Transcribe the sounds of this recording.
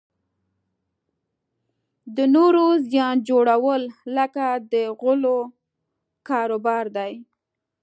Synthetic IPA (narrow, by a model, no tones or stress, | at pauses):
d̪ənoɾozjɑnd͡ʒoɽawəlləkad̪əɣʊlo | kɑɾobɑɾd̪aj